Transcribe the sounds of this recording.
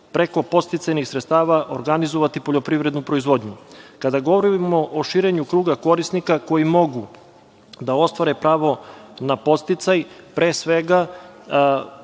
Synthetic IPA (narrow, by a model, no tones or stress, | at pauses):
pɾe̞ko̞po̞t̪st̪it̪sajnixsɾet̪st̪aːʋaʔo̰ɾɡanizo̞ʋat̪ipo̞ʎopɾiʋɾe̞d̪nupɾo̞izʋo̞d̪ɲukad̪aɡo̞ʋoɾiimo̞ʔoʃiːɾeɲukɾuːɡako̞ɾisnikako̞jimo̞ɡu | d̪ao̞st̪ʋaɾepɾaːʋo̞napo̞t̪st̪it̪sajpɾeːsʋeɡa